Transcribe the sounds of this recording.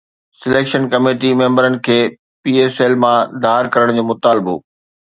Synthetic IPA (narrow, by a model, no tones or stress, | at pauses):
sɪleːkʃənkɐmeːʈimẽːmbəɾənɪ̆kʰeː | piːeːseːlmãd̪ʱaːɪɾkɐɾəɽ̃d͡ʑoːmʊt̪aːlɪbo̰ː